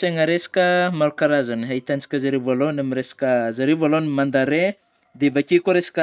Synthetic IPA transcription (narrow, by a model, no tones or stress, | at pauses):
seŋəɾesḁkʲəmaɾukaɾazaniɦait̪anit͡si̥kʲəzaɾevalonamiɾesḁkʲəzaɾevolonimand̪aɾe | d̪evakʲikoɾesḁkʲə